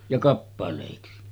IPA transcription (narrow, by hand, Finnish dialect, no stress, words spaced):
jɑ kɑpːɑleˑiksi